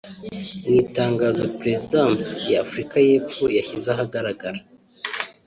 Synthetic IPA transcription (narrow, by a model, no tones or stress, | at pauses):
niːtaːŋɡaːzopɾezidantjaːfuɾikaje̞ːp͡fojaçizaɦaɡaɾaɡaɾa